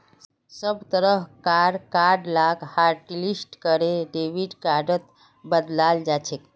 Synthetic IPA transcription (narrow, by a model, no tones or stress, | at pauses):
səbt̪əɾəɦkaɖkaɾɖlaɡhaɾʈlisʈkəɾeɖeʋiɖkaɾɖət̪̚ | bəd̪lald͡ʒat͡ʃʰek